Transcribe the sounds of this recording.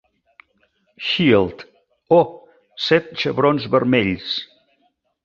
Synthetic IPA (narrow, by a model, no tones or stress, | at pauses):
ʃilˠt̪ | o | sɛt̪̚t͡ʃəβɾonzβəɾmɛʎs